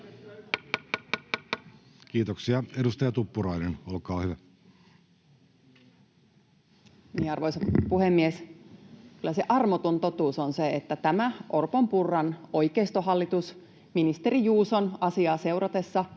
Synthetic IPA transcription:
k̟iːt̪oksiɑedust̪ɑjɑt̪upːuɾɑinenolkɑːhyʋæ | niːɑrʋojsɑpuhemːies | kylːæseʔɑrmot̪ont̪o̞t̪uːsonseet̪ːæt̪æmæʔo̞rpompurːɑno̞jkeːst̪oɦɑlːit̪us | minist̪e̞ɾijuːsonɑsiɑːse̞uɾɑt̪e̞sːɑ

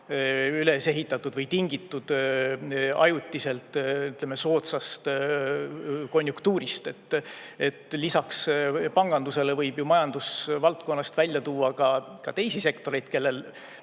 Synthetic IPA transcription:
yle̞seɦit̪ːˑɑt̪ːˑud̪vɤjt̪iŋɡ̥it̪ːˑud̪̥ | ɑ̰jut̪ʲːise̞lt̪ːˑyt̪lemːeso̞ːt̪sɑst̪ | ko̞nʲjukt̪uːɾist̪e̞t̪ːˑe̞t̪ːˑlisɑkspɑŋɡ̥ɑnd̪use̞levɤjb̥jumɑjɑnd̪̥usvɑlt̪̚ko̞nːɑst̪vælʲjɑt̪uːɑkɑkɑt̪e̞jsise̞kt̪o̞ɾe̞jd̪̥ke̞lːe̞l

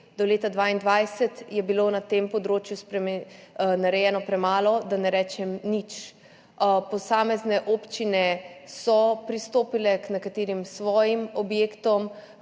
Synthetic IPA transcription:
d̪ɔleːt̪ad̪ʋaːind̪ʋajsɛt̪jɛbilonat̪empɔd̪ɾoːt͡ʃjuspɾɛmnaɾɛjɛːnɔpɾɛmaːlɔd̪anɛɾɛːt͡ʃɛmnit͡ʃ | pɔsaːmɛznɛʔoːpt͡ʃinɛsɔpɾist̪oːpilɛknɛkat̪eːɾimsʋɔːjimɔbjeːkt̪ɔm

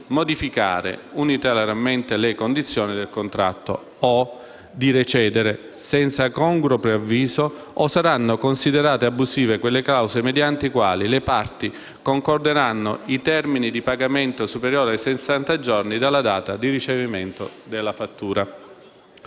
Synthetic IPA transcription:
mod̪ifika̰ːɾḛunit̪elaɾament̪elekond̪it̪sːjoːnid̪elkont̪ɾa̰t̪ːo̰ | o | d̪iɾet͡ʃɛːd̪eɾe | sɛnt̪sakɔŋɡɾopɾeavːiːzoː | saɾanːokonsid̪eɾaːt̪eabːuziːvekwelːeklawzemed̪jant̪eikwa̰ːlilepart̪i | koŋkord̪eɾanːoit̪ɛrminid̪ipaɡament̪osupeɾjoːɾeajsesːant̪ad͡ʒɔrnid̪alːad̪aːt̪ad̪irit͡ʃeviment̪od̪elːafat̪ːuːɾa

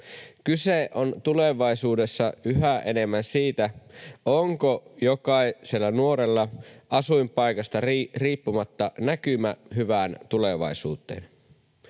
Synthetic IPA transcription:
kyseʔont̪ule̞ʋɑisuːde̞sːɑʔyɦæʔene̞mːænsiːt̪æoŋkojokɑisielːænuo̞ɾelːɑʔɑsujmpɑjkɑst̪ɑrriːpːumɑt̪ːɑnækymæɦyʋæːnt̪uleʋɑ̰isuːt̪ˑe̞̰ːn

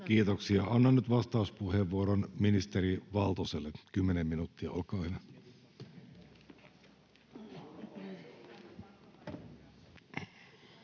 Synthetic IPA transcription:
k̟iːt̪oksiɑonːɑnːyt̪ʋɑst̪ɑuspuheʋːuoɾonminist̪eɾiʋɑlt̪oselːekymːenemːinuːt̪ːiɑ̰olkɑːhen

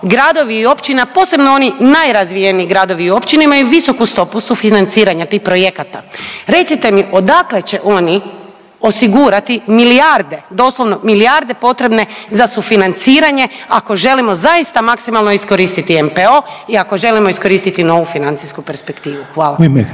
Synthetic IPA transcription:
ɡɾad̪o̞ʋiːo̞pt͡ɕinapo̞ːse̞bno̞o̞ninajɾazʋijeniiɡɾaːd̪o̞ʋiːo̞pt͡ɕineimajuʋiso̞kust̪o̞pusufinant̪siːɾaɲat̪ixpɾo̞je̞kat̪aɾe̞t̪sit̪e̞miʔo̞d̪akle̞t͡ɕe̞ʔo̞ni | o̞siɡuːɾat̪imiliaɾd̪e̞d̪o̞ːslˠo̞ʋnomiliaɾd̪e̞po̞t̪ɾe̞bne̞zasufinant̪siːɾaɲe̞ako̞ʒe̞limo̞zaist̪amaksimalˠnoisko̞ɾiːst̪it̪iempeo̞iako̞ʒe̞limo̞isko̞ɾiːst̪it̪ino̞ʋufinant̪siskupe̞ɾspekt̪iːʋuxʋaːlam

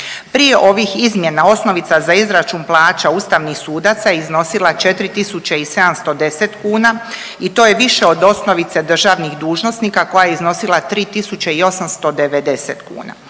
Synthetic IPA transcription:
pɾije̞ʔo̞ʋixizmje̞nao̞sno̞ʋit̪sazaizɾat͡ʃuːnplˠaːt͡ʃaust̪aʋnixsuːd̪at̪sajeizno̞silˠat͡ʃe̞t̪ɾit̪isut͡ɕeise̞d̪amst̪o̞d̪e̞set̪kuːna | it̪oːje̞ʋiʃe̞o̞d̪o̞sno̞ʋit̪se̞d̪r̩ʒaːʋnixd̪uːʒno̞sniːkako̞jajeizno̞silˠat̪ɾiːt̪isut͡ɕeio̞samst̪o̞d̪e̞ʋed̪e̞sḛt̪kṵːna̰

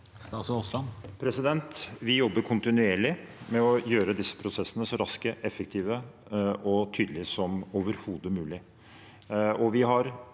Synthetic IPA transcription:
st̪ɑːsɔslɑnpʰɾɛsɪd̪ɛnt̪ʋɪjɔbːəkʰʊnt̪ɪnʉeːɭɪmɛɔjøːɾəd̪ɪsːə̥pʰɾʊsɛsːənəsɔɾɑskəʔɛfːək̚t̪ʰiːʋə | ʔɔt̪ʰyːd̪əlɪsɔmoːʋəɾhuːd̪əmʉːlɪ | ɔʋɪɦɑɾ

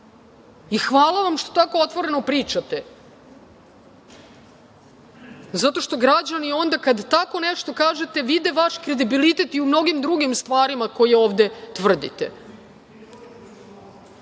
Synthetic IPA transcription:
ixʋaːlˠaʋamʃt̪o̞t̪ako̞ot̪ʋo̞ɾe̞no̞pɾiːt͡ʃat̪e̞ | zat̪o̞ʃt̪o̞ɡɾad͡ʑanio̞nd̪akad̪t̪ako̞neʃt̪o̞kaːʒe̞t̪e̞ʋid̪eʋaʃkɾe̞d̪ibilit̪e̞t̪iumno̞ɡimd̪ɾuɡimst̪ʋaːɾimako̞jeoːʋvd̪e̞t̪ʋr̩d̪ḭt̪ḛ

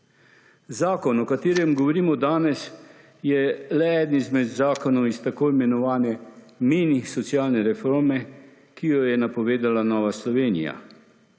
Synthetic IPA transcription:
zaːkɔnɔkat̪eːɾjɛmɡɔʋɔɾiːmɔd̪aːnɛs | jɛlɛɛːd̪nizmɛd̪zaːkɔnɔwist̪akoːimɛnɔʋaːnɛ | minisɔt̪sijaːlnɛɾɛfoːɾmɛ | kijɔjɛnapɔʋeːd̪alanɔːʋaslɔʋeːnḭja̰

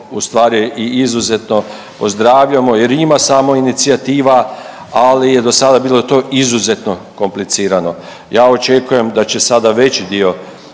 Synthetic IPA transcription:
ust̪ʋaːɾiiizuze̞t̪no̞ | po̞zd̪ɾaːʋʎamo̞jeɾimasaːmo̞init̪siat̪iːʋa | alije̞d̪o̞sad̪abiːlˠo̞t̪o̞ːʔizuze̞t̪no̞ko̞mplit̪siːɾano̞ | jaːo̞t͡ʃe̞kuje̞md̪at͡ɕe̞sad̪aʋe̞t͡ɕid̪io̞

